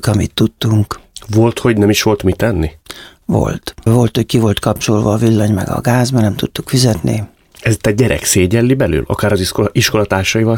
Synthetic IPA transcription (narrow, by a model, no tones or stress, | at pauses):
kɒmḭt̪ːut̪ːuŋkvo̞lt̪ho̞ɟnɛmiʃʋo̞lt̪mit̪ɛnːivo̞̰lt̪vo̞lt̪hockivo̞lt̪kɒp̚t͡ʃo̞lvɒːvilːɒɲmɛ̰ɡɒ̰ɡaːzmɛrnɛmt̪ut̪ːukfizɛt̪nḭ | ɛzt̪ɛɟɛɾɛ̰kseːɟɛlːibɛly̰ːlʔɒ̰kaːɾɒziʃko̞lɒt̪aːrʃɒjivɒl